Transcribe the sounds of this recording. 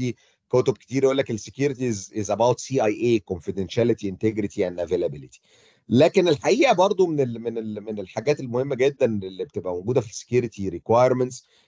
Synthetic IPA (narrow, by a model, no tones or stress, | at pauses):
i | kot̪ob̚ke̥t̪iːɾjʔolːækesːekjuːɾit̪izɪzæbawt̪siːʔɑjʔeːkonfid̪enʃælet̪ient̪eɡɾit̪ʰiænʔævelæbɪlit̪i̥ | læːkenelħaʔiːʔæbɑɾˤd̪ˤomenemenelmenelħaɡæːt̪elmohemːæɡed̪ːænelːibet̪ebʔæmoɡuːd̪æfisːe̥kjuɾet̪iɾikwajɾmænt̪s